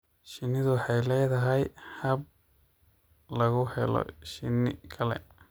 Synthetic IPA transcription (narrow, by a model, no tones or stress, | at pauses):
ʃɪnːɪðʊwħɑjlɛːðɐɦɛjhɐb̚ | lɐɣʊhɛlɔ̰ʃɪnːɪkʰɐlɛ̰